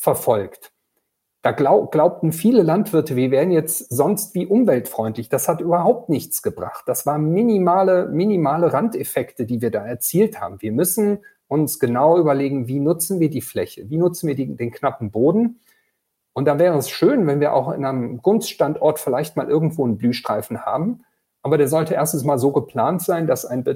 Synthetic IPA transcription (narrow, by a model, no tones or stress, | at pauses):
fɛɐfɔlkt | d̥aːɡlaʊɡ̥laʊp̚tn̩fiːləlantv̥ɪɐtəviːɐvɛːʁən̩jɛt͡stz̥ɔnstv̥iːʔʊmvɛltfʁ̥ɔʏntlɪçd̥ashatʔyːbɐɦaʊp̚tnɪçt͡sɡ̥əbʁa̰χt̚d̥asv̥aːɐənminimaːləminimaːləʁantefɛktədiːviːɐdaːɛɐt͡siːltha̰ːbm̩viːɐmʏsn̩ | ʔʊnsɡ̥ənaʊʔyːbɐleːɡŋ̩viːnʊt͡sn̩viːɐdiːflɛçəviːnʊt͡sn̩viːɐideːnknapm̩boːdn̩ | ʔʊntd̥aːvɛːʁ̞əɛsʃøːnvɛnviːɐʔa̰ʊxɪ̰nʔaɪnəmɡ̥ʊnstʃtantʔɔɐtfɪlaɪçt̚maːlʔɪɐɡŋ̩tv̥oːənblyːʃtʁ̥aɪfn̩ha̰ːbm̩ | ʔaːbɐɾeːɐzɔltəʔeːɐstn̩smaːlzoːɡəpʰl̥aːntz̥aɪndasʔaɪnb